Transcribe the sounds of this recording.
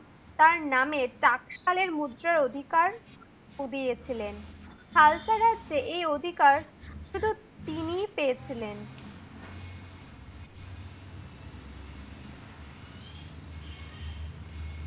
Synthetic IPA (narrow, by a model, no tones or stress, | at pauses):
t̪aɾnameʈakʃaleɾmud̪ɾaɾod̪ʱikaɾ | ud̪ijet͡ɕʰilen | kʰalt͡ɕaɾad͡ʑeʔejod̪ʱikaɾʃud̪ʱu | t̪inipejet͡ɕʰilen